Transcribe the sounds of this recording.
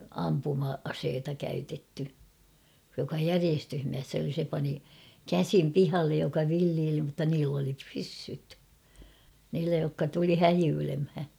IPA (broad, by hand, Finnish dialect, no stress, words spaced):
ɑmpumɑɑseːtɑ kæytetːy jokɑ jæriestyhmiæsː oli se pɑni kæsim pihɑlːej jokɑ ʋilːiːli mutːɑ niːlː oli pysːyt niːlːæ jokːɑ tuli hæjyːlemhæ